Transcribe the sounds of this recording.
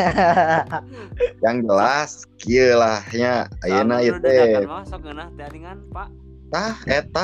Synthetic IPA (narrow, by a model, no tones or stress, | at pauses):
jaŋd͡ʒəlas | kiəlahɲaːjənajət̪e | t̪ahɛt̪a